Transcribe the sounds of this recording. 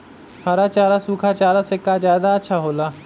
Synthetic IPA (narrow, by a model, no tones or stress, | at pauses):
haɾat͡ʃaːɾasuːkʰat͡ʃaːɾasekazjaːd̪aətːʃʰaɦoːlaː